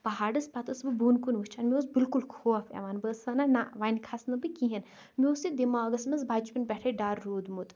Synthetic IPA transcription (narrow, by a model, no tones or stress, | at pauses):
pɐɦaːɖɐspɐt̪ɐsbɨbuːnkunʋɨt͡ʃʰaːnmʲioːzbilkulkʰoːɐfḛʋaːnbəːsɐnanaʋanʲkʰasnɨbɨkiɦɐn | mioːsid̪imaːɐɡɐsmɐzbaːt͡ʃpʲinpʲɛʈʰeɖaːɾːoːd̪mut̪